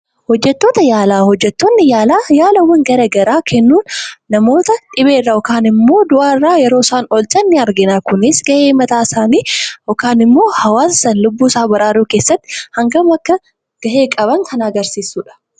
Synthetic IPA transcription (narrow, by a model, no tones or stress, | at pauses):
hɔd͡ʒːɛt̪ːoːt̪ɐjaːlaːhɔd͡ʒːɛt̪ːoːnːɪjaːlaːjaːlɐwːɐŋɡɐɾɐɡɐɾaːkʰɛnːuːnːɐmo̞ːt̪ɐᶑɪβeːrːaːɔkaːnɪmːo̞ːd̪ʊʔaːɪrːaːjɛɾo̞ːsaːnɔlt͡ʃʼɐnːɪɐɾɡɪnaːkʊnɪsɡɐʔeːmɐt̪aːsaːniːʔɔkaːnɪmːo̞ːhɐwaːssɐnlʊbːuːsaːbɐɾaːɾuːke̞ːsːɐt̪ːɪ̥hɐŋɡɐmɐkːɐ | ɡ̥ɐʔe̞ːkʼɐβɐŋkʰɐnɐɡɐɾsiːsːuːᶑɐ̥